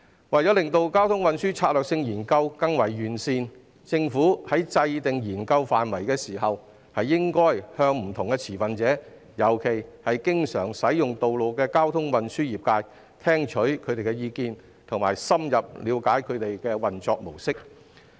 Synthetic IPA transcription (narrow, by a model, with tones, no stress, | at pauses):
wɐ˨˩jt͡sɔː˨˥lɪ˨˩ŋt̪o˧wkaː˥wt̪ʰʊ˥ŋwɐ˨nsyː˥t͡sʰaː˧t̚lœː˨k̚sɪ˧ŋjiː˨˩nkɐ˧wkɐ˥ŋwɐ˨˩jːyː˨˩nsiː˧n | t͡sɪ˧ŋfuː˨˥hɐ˨˥jt͡sɐ˧jt̪ɪ˨ŋjiː˨˩nkɐ˧wfaː˨nwɐ˨˩jkɛː˧siː˨˩ɦɐ˨w | hɐ˨jːɪ˥ŋkɔː˥jhœː˧ŋm̩˨˩t̪ʰʊ˨˩ŋkɛː˧t͡sʰiː˨˩fɐ˨nt͡sɛː˨˥ | jɐ˨˩wkʰe˨˩jhɐ˨jkɪ˥ŋsœː˨˩ŋsɐ˨˥jjʊ˨ŋt̪o˨wlo˨wkɛː˧kaː˥wt̪ʰʊ˥ŋwɐ˨nsyː˥jiː˨p̚kaː˧j | t̪ʰɛː˥ŋt͡ʃʰɵ˨˥ɥkʰɵ˨˧ɥt̪e˨jkɛ˧jiː˨˧kiː˧n | t̪ʰʊ˨˩ŋmaː˨˩jsɐ˥mjɐ˨p̚liː˨˧wkaː˨˥jkʰɵ˨˧ɥt̪e˨jkɛː˧wɐ˨nt͡sɔː˧k̚mo˨˩wsɪ˥k̚